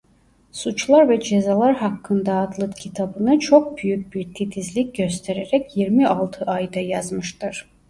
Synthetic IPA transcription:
sut͡ʃlˠaɾvɛd͡ʒe̞zalˠaɾɦakʰːɯnd̪aːd̪lˠɯt̪cʰit̪ʰabɯnɯt͡ʃʰo̞k̚byjyc̚biɾt̪ʰit̪ʰizlʲic̚ɟø̞st̪ʰe̞ɾeɾɛcjiɾmialˠt̪ʰɯʔajd̪ajazmɯʃt̪ʰɯɾ̥

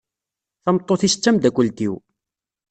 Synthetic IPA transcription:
θɑmt̪ˤːoθisə̥t͡sːæmd̪ækʷːəlt̪iw

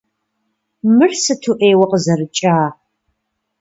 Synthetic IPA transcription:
mɨrsɨtʰuʔeːwɐqəzɐrɨt͡ʃʼaː

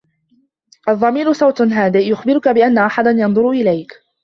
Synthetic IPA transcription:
ʔɑðˤːɑmiːɾʊsˤɑwt̪nɦaːd̪ɪjʊxbɪɾʊkabɪʔanːaʔaħad̪anjɑnðˤʊɾʊʔɪlajk

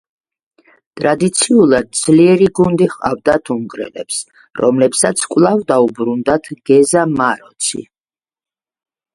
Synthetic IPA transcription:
t̪ʼɾad̪it̪sʰiulˠad̪̚d̪z̥liɛɾiɡund̪iχqʼa̰vd̪at̪ʰuŋɡɾɛ̰lɛ̰ps | ɾɔmlɛpsat̪sʰkʼwlˠavd̪aubɾund̪at̪ʰɡ̥ɛzamaɾɔt̪sʰḭ

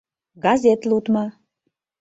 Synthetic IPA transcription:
ɡɑzʲet̪lut̪mɑ

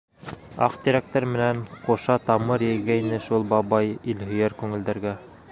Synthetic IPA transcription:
ɑqt̪iɾæk̚t̪æɾmɘ̆nænqoʃɑt̪ɑmɤɾjɘ̆jɡæinɘʃulˠbɑβɑjilhɵ̆jæɾkʉŋɘ̆ld̪æ̆ɾɡæ

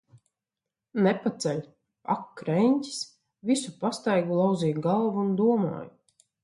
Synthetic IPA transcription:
nɛpat̪sɛlʲ | akːɾɛɲʲcʲi̥s | visupast̪ajɡulˠawziːjɡalˠvuund̪uɔma̰ːj

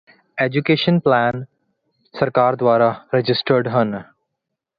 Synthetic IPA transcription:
eːd͡ʒukeːʃənplæːn | sɐɾkaːɾd̪waːɾaɾed͡ʒɪsʈəɾɖɦən

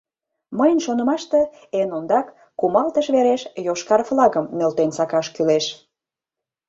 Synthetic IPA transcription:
məjənʃonə̆mɑʃt̪e | enond̪ɑkː | umɑlt̪əʃβeɾeʃjoʃkɑrflɑɣəmːelt̪ensɑkɑʃkyleʃ

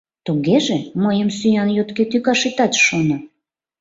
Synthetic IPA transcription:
t̪uɣeʒeməjəmsyjɑnjot̪ket̪ykɑʃit̪ɑt̪ʃonə

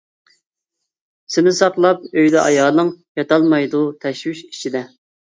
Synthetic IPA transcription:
sɪnɪsɑqlˠɑp̚øjd̪ɛʔɑjɑːlˠɨŋjɑt̪ɑlˠmɑjd̪ut̪ʰɛʃwyʃi̥t͡ʃʰid̪ɛ

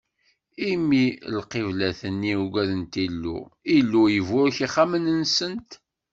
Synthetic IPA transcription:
imilqevlæθənːiuɡʷæðənt̪ilːṵilːujəvʊɾçiχamənənsənt̪

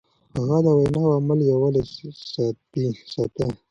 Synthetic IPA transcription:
haɣad̪əwajnɑwamaljawalesɑt̪isɑt̪e

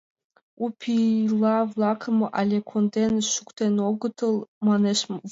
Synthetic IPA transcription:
upʰilɑvlˠɑkʰəmʔalʲekʰond̪enʃukʷt̪ʰenoɡɨt̪ʰəlˠmaneʃ

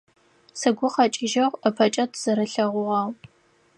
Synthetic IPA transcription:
sɨɡʷʊχɑt͡ʃʼɪʒɐʁʷɐpʰɐt͡ʃʼɐtʰz̥ɐɾɐɬɐʁʷʊʁɑːʁ

